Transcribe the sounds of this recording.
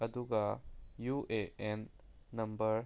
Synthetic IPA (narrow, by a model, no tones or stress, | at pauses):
ɐd̪uɡɐjueenː | ɐmbɐɾ